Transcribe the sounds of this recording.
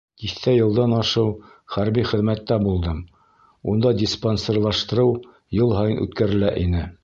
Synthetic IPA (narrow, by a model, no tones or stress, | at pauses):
t̪iθt̪æjɤ̆lˠd̪ɑnɑʃɤw | χæɾbiχɘ̆ðmæt̪ːæbulˠd̪ɤm | und̪ɑdʲisponserlˠɑʃt̪ɤ̆ɾɤw | jɤlˠɦɑjɤnʔʉ̰t̪kæɾɘ̆læʔinɘ